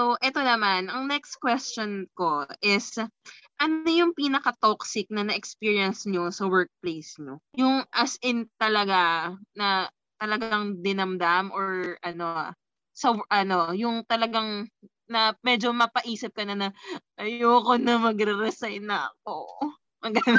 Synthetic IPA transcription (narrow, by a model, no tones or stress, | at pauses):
soʔɛt̪o̞nɐmanʔɐŋnɛkst̪̚kwɛst͡ʃonko̞ʔɪs | ʔɐno̞jʊŋpiːnɐkɐt̪oksɪk̚nɐnɐʔɛkspiːɹiɐnsɲo̞sɐwɛɹk̚plejsɲojʊŋʔɐsʔɪnt̪ɐlɐɡanɐ | t̪ɐlɐɡaŋd̪ɪnɐmd̪amʔoɹʔɐno̞ | sɐwʔɐno̞jʊŋt̪ɐlɐɡaŋ | nɐmɛd͡ʒomɐpɐʔiːsɪp̚kɐnɐnɐʔɐjoːkonɐmɐɡɾɛɾɛsajnːɐɐ̰k̚o | ʔɐɡɐn